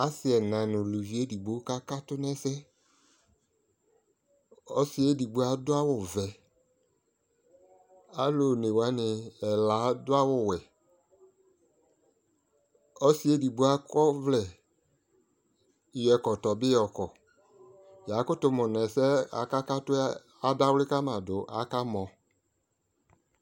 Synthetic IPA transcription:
a˦sɪ˨˦ɛ˨nã˨nʊ̃˨lu˨vi˨˦e˦di˨ɡ͡bo˦ka˦ka˦tʊ˦nɛ˦sɛ˦ | ɔ˦sɪ˨e˦di˨ɡ͡bo˦a˨dʊ˦a˦wʊ˨vɛ˨ | a˦lo˨ne˨wa˨˦nɪ˨ɛ˨la˨˦dʊ˦a˦wʊ˦˨wɛ˨ | ɔ˦si˦e˦di˨bu˦a˦kɔ˦vlɛ˨ | jɛ˨kɔ˨tɔ˨bɪ˦ɔ˨kɔ˨ | ja˨˦kʊ˦tʊ˨mʊ˨nɛ˨sɛ˦a̰˨ka˦ka˦tʊ˦ | a˦da˦wlɪ˦ka˦mã˨dʊ˨ʔa̰˦ka˦mɔ̃˨

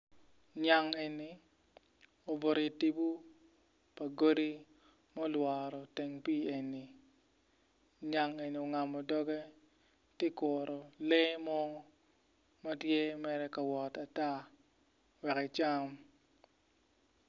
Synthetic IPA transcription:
ɲa˨ŋe˨ni˨ | o˨bo˨ɾi˨ti˦bu˦ | pa˨ɡo˦ɾi˦ | mɔ˦lwa˨ɾɔ˨tɛ˨ŋpi˦e˨nːi˨ | ɲa˨ŋe˨ni˨o˨ŋa˨mɔ˨dɔ˦ɡɛ˦ | te˦kɔ˨ɾɔ˨le˦mɔ˦ | ma˦tje˦mɛ˨ɾɛ˦ka˨wɔ˨ta˨ta˦ | wɛ˨kɪ˨t͡ʃa˦m

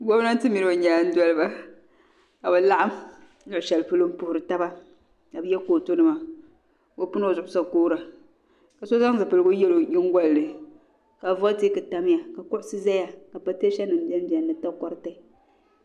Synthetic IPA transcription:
ɡɔ˦bna˦n˦tɨ˦mi˨ɾo˨ɲa˨n̩˦dɔ˦lɨ˦ba˦ | ka˨bɛ˨la˦ʔa˦m | lʊ˨ʊ˨ʃɛ˨lpɨ˦lo˦m̩˦pʊ˨hʊ˨ɾɨ˨ta˦ba˦ | ka˨bɨ˦jɛ˦koː˨to˦nɨ˨ma˨ | o˨pu˦n˦o˨zʊ˨ʔʊ˦sa˨koː˦ɾa˨ | ka˨so˦za˦ŋza˨pɨ˨lɨ˨ɡʊ˦jɛ˦lo˨ɲɪ˦ŋ˦ɡa˦lːɨ˨ | ka˨vɔ˦ti˦kɨ˨ta˨m˦ja˨ka˨kʊ˦ʔʊ˦sɨ˦za˦ja˨ka˨pa˦te˦ʃɛ˦nɨ˨m˦bi˦ɛ˦m˦bi˨ɛ˨nːɨ˨ta˦kɔ˦ɾɨ˦ta˦

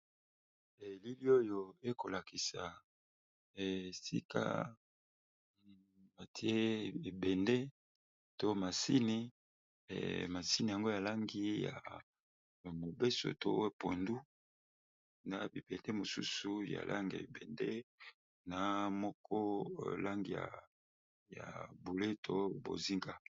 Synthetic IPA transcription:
e˨li˦li˦o˦jo˨e˦ko˨la˨ki˨sa˨ | sḭ˦ka̰˦ | ma˨tʰi˦e˦˨e˨bɛ˨nde˦ | to˦ma˨si˦nḭ˦˨ | ma˨si˦ni˨ja˨ŋɡo˦ja˨la˦ŋɡi˦ja̰˨ | mo˨be˦so̰˨to˦e˦po˨ndu˦ | na˨bi˨b̥ɛ˨nde˦mo˨sṵ˦su˨ja̰˨lʔa̰˦ŋɡa̰˨i˨bɛ˨nde˦ | na˨˦mɔ˦kʰɔ˦˨la˦ŋɡi˨ja̰˨ | ja̰˨bo˨le˦tʰo˦bo̰˨zi˦ŋɡa˦

